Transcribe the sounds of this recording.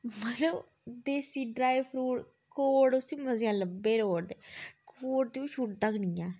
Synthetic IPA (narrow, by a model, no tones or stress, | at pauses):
məloː | d̪eːsiːɖɾaːipʰɾuːʈ | koːɽʊsiːməzɪjãːləbːeːɾoːɽd̪eːkoːɽt̪iʃʰuʈ̚d̪əɡniːjãː